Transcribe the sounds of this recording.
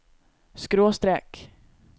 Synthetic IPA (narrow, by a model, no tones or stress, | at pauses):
skɾoːst̪ɾɛk